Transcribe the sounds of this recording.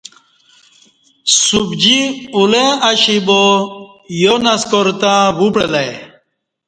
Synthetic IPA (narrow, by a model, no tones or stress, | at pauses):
subd͡ʑiulẽaɕibo | jonɐskoɾt̪ãːbupɽelaj